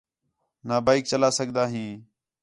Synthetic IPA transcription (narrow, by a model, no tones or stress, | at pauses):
naːbaːik̚t͡ʃəlaːsəɡʱd̪aːɦĩː